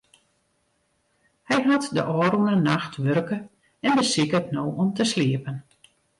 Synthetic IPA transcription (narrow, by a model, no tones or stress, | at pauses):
hɛjɦatdəʔɔːɾunənaxtʋørkə | ɛndəsɪkətnoːɔmtəsliəpən